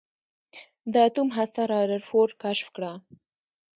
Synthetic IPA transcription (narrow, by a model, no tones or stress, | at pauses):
d̪əːt̪umɦasaɾɑːɾaɾfoɾkaʃfkɽa